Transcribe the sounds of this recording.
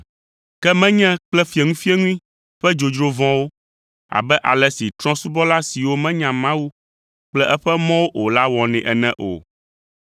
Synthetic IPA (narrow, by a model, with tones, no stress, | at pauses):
kɛ˦mɛ̃˦ɲɛ̃˦k͡plɛ˦fi˨ɛ˨ŋũ˦fi˦e˦ŋũ˦ĩ˦ | ɸɛ˦d͡ʒo˨d͡ʒɾo˦vɔ̃˦wo˦ | a̰˨bɛ˦ʔa̰˨lɛ˨si˨t̪ɾɔ̃˦su˦bɔ˦la˦si˨wo˦mɛ̃˦ɲã˨mã˦wu˦ | k͡plɛ˦ʔɛ˦ɸɛ˦mɔ̃˦wo˦ʔo˨la˦wɔ̃˨nɛ̃˨ʔɛ˨nɛ̃˦ʔo̰˨